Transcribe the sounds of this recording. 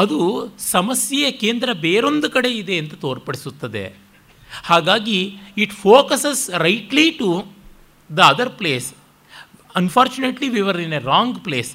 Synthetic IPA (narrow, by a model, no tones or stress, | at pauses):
ɐd̪usɐmɐsjɛjɐkeːnd̪ɾɐbeːɾo̞nd̪ukɐɽe̞id̪e̞ɐnt̪ɐt̪oːɾpɐɽisut̪ːɐd̪e̞̰ | haːɡaːɡiːʈfoːkɐsesɾɐjʈliʈu | d̪ɐɐd̪ɐɾpleːs | ɐnfʰaːɾt͡ʃuneʈliʋiʋɐɾineɾaːŋɡpleːs